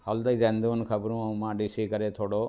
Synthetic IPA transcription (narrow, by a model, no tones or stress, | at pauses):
hɐld̪ɐd̪end̪uʋɐnkʰɐbɾũːɐwmaːɖisikɐɾeːt̪ʰoːɽoː